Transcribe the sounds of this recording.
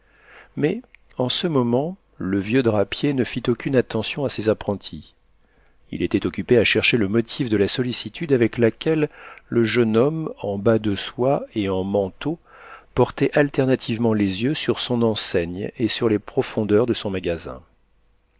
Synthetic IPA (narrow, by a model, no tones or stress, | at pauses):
mɛ | ɑ̃səmɔmɑ̃ | ləvjød̪ʁapjenəfit̪okʲynat̪ɑ̃sjɔ̃asezapχɑ̃t̪ʰi | ḭlet̪ɛt̪ɔkʲypeaʃɛʁʃeləmɔt̪ʰifd̪əlasɔlisit̪ʰyd̪avɛklakʲɛlːəʒənɔmɑ̃bad̪əswaeɑ̃mɑ̃t̪o | pɔʁt̪ɛʔalt̪ɛʁnat̪ʰivmɑ̃lezjøsyʁsɔ̃nɑ̃sɛɲesyʁlepχɔfɔ̃d̪œʁd̪əsɔ̃maɡazɛ̰̃